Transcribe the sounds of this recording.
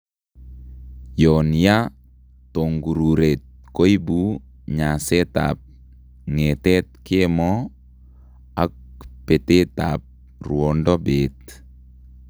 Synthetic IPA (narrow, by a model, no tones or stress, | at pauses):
jɔnja | toŋɡuɾuɾet̪̚kojbu | ɲasɛta̰p̚ | ŋɛtɛt̪̚kemɔ | ak̚pɛtetap̚ | ruɔndɔbet̪̚